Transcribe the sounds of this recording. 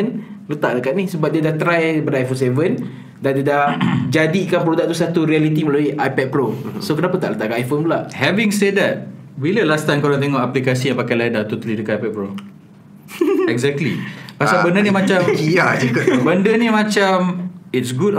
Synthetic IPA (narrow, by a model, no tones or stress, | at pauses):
nlət̪aʔdəkaʔ̚nisəbap̚diadaht̪ɾajbədajfonsevən | dandiadahd͡ʒadikanpɾodaʔk̚t̪usat̪uɾialit̪iməloiʔajpɛt̚pɾosokənapat̪a̰ʔlət̪aʔkaajfonbulaʔhɛviŋsɛd̚ɛt̚ | biləlast̪ajmkoɾaŋt̪eŋɔʔaplikasijãpakaladat̪ot̪alidəkaajpɛt̪̚pɾo | ɛɡzɛk̚tlḭpasabəndənimãt͡ʃamkiaʔd͡ʒukbəndənimãt͡ʃamitsɡud